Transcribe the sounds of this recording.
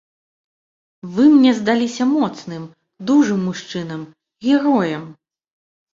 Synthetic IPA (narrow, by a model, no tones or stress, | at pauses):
vɨmnʲɛzd̪alʲisʲɐmɔt̪snɨm | d̪uʐɨmːuʂt͡ʂɨnɐm | ɣʲɛɾɔjɐm